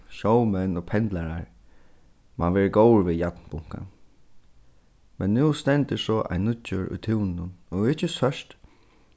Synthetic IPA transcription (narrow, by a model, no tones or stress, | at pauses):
ʃowmɛnːɔpʰɛnt̪laɾaɹ | ma̰nʋɛːɹəɡowɹʋɪðjat̪npʊŋ̥ka̰ | mɛnːuːst̪ɛnt̪ɪsɔʔa̰ɪnːʊʏɹʔʊ̰jt̪ʰɪwnɪnʊnɔɣɪt͡ʃːəsœʂt̪